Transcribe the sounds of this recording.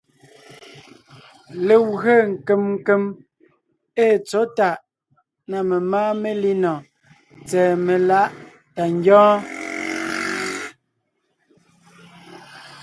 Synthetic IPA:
le˨wɣe˦˨ŋ̩˨ke˨mŋ̩˦ke˦m | eː˦˨t͡so˨˦ta˦˨ʔ | na˨me˨maː˦me˦li˦nɔ˨ | t͡sɛː˨me˨la˦ʔ | ta˨ŋ˦ɡjɔ̃ː˦

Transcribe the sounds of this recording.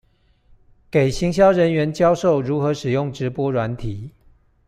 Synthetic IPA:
ke˨˩ɪɕi˧˥ŋɕ̬jɑ˥ʊɻə˧˦nɥɛ˧˦nt͡ɕjɑ˦ʊʂo˥˨ʊɻu˨˥xɤ˨˦ʂɻ̩˨˩jʊ˥˨ŋʈ͡ʂɻ̩˨˦pwɔ˦ɻwa˧˦nt̪ʰi˨˩˦

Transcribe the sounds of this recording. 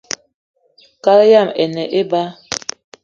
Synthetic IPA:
ka˦lja˦˨mɛ˨nɛ˨ʔe˦ba˦

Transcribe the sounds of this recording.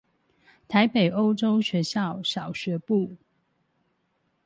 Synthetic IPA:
t̪ʰa˨˦ɪpe˨˩ɪo˦ʊʈ͡ʂo˦ʊɕɥɛ˧˦ɕjɑ˥˨ʊɕjɑ˨˩ʊɕɥɛ˨˦pu˥˨

